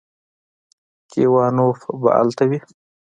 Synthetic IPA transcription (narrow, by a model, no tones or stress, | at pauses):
kewɑːnofba̰ʔa̰lt̪awi